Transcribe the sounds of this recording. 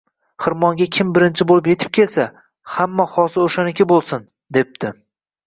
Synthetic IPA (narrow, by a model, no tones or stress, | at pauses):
hɨɾmɒŋɡʲakʲʰɪmbɪɾɪnt͡ʃʰɪbolɪpje̞t̪ʰɪ̥p̚kʲʰe̞lsa | hamːahɒsɪoʃanɪkʲʰɪbolˠsɪn | d̪e̞p̚d̪ɪ